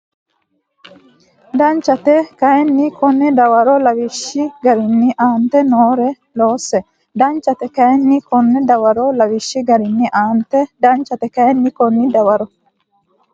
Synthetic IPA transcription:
d̪ɐnt͡ʃːɐt̪ɛkɐɛnːɪkʰɔnːɛd̪ɐwɐɾɔlɐwɪʃːɪɡɐɾɪnːɪʔaːnt̪ɛnoːɾɛ | loːsːɛ | d̪ɐnt͡ʃːɐt̪ɛkɐɛnːɪkɔnːɛd̪ɐwɐɾɔlɐwɪʃːɪɡɐɾɪnːɪʔaːnt̪ɛd̪ɐnt͡ʃːɐt̪ɛkɐɛnːɪkɔnːɪd̪ɐwɐɾɔ

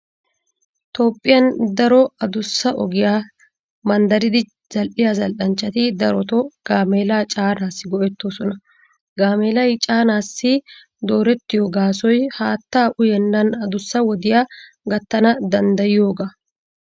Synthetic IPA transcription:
t̪oːpʼːɪjɐnd̪ɐɾɔɐd̪ʊsːɐʔɔ̰ɡɪjaː | mɐnd̪ɐɾɪd̪ɪ | z̥ɐlʔɪjaːzɐlʔɐnt͡ʃːɐt̪ɪd̪ɐɾɔt̪ɔɡ̥aːmeːlaːt͡ʃʼaːnaːsːɪɡɔʔɛt̪ːoːsɔnɐ | ɡaːmeːlɐjt͡ʃʼaːnaːsːɪ | d̪o̞ːɾɛt̪ːɪjoːɡaːsɔjhaːt̪ːaːʔʊjɛnːɐnɐd̪ʊsːɐwɔd̪ɪjaː | ɡɐt̪ːɐnɐd̪ɐnd̪ɐjɪjo̞ːɡa

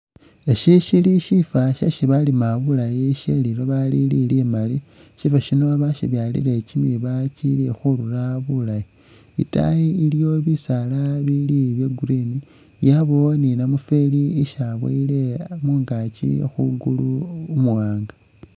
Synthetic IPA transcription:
eʃiʃiliʃifaʃa̰ʃiβalimaβulajiʃeliloβalililimali | ʃifaʃinoaβaʃiβjalḭlecimiβat͡ʃilexuɾuraβulaji | ḭta̰jiiljo̞βisalaβiliβjeɡuɾini | jaβoninamufeliiʃaβwḛilemuːŋɡat͡ʃḭxuɡuluːmuwaːŋɡḁ

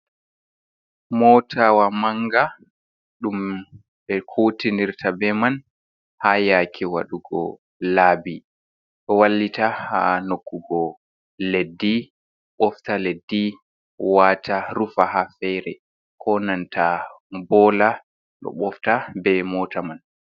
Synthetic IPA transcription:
mɔtʰawamaŋɡa | ɗum | ɓɛkʰotiniɾtʰabɛman | hajakʰiwa̰ɗuɡɔ̰ | laːbi | ɗɔwalːitaha̰nokːuɡɔ | ledːi | ɓɔftaledːi | waːtʰaɾufahafɛjɾɛ | kʰɔnantabɔːla | ɗɔ̰ɓɔftabɛmɔːtaman

